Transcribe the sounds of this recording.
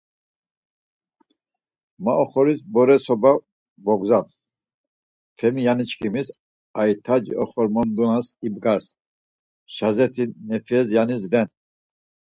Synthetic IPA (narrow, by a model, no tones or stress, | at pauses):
maʔɔχɔɾisbɔɾɛsɔba | vɔɡzap | fʰɛmijanit͡ʃʰkʰimis | ajt̪ʰad͡ʒḭʔɔχɔɾmɔnd̪unasibɡaɾs | ʃazɛt̪ʰinɛfʰɛzjanisɾɛn